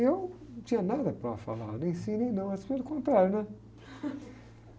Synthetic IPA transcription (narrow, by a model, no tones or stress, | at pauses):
ewt̪ĩɲɐnad̪ɐpɾɐfa̰la̰ɾnẽj̃sĩnẽj̃nɐ̃w̃ɐspiɛɾɪkõnt̪ɾaɾnɛ̃